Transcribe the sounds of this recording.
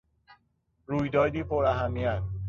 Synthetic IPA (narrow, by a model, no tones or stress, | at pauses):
ɾuːjd̪ɒːd̪iːpʰoɾæɦæmːiæn